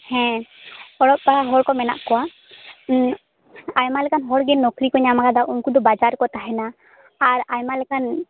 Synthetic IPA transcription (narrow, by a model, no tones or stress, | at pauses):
hɛ̃ | ɔɽɔp̚baaɦɔɾkɔmɛna̰ʔkɔwa | ajmalɛkanɦɔɽɡɛnːɔkɾikɔɲamakad̪aʔɔŋkud̪ɔbad͡ʒaɾkɔt̪aɦɛnaː | ɾajmalɛkan